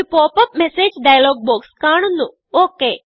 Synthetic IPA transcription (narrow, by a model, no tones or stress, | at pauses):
ipoːpɐp̚meseːd͡ʑɖɐjɐloːɡ̚boːkskaːɳunːu | oːkːeː